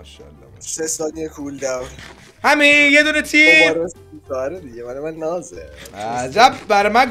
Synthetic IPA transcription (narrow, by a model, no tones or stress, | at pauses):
ʃɒ̰lː | sesɒːliekʰuld̪æwɾ | hæmijed̪uːnet̪ʰiːɾos | usɒːɾed̪iɟemænemænnɒːzḛæzæbbæɾmæn